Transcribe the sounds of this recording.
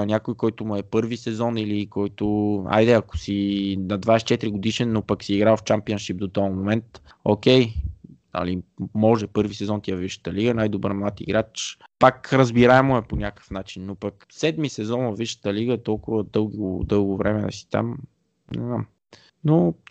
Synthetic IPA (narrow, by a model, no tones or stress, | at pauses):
nʲakojkɔjt̪ʊmuɛpɤɾvisɛzɔnilikɔjt̪ʊa̰jd̪ɛɐko̥sinɐd̪vaɛst͡ʃɛt̪ɾiɡod̪iʃɛnːopɐksiːɡɾavft͡ʃampiənʃip̚d̪ot̪ɔmomɛnt̪ | o̰k̟ɛjnə̰limɔʒɛpɤɾvisɛzɔnt̪iɛviʃə̥t̪əliɡənajd̪obə̰ɾmlˠat̪ḭɡɾat͡ʃpakɾəzbiɾaɛmoɛponʲakə̥fnat͡ʃinːopək | sɛd̪misɛzɔnvɐviʃə̥t̪əliɡət̪ɔlˠkʊvəd̪ɤlˠɡʊ̰d̪ɤlˠɡʊvɾɛmɛd̪ɐ̰si̥t̪a̰m | nɛ̰znam | no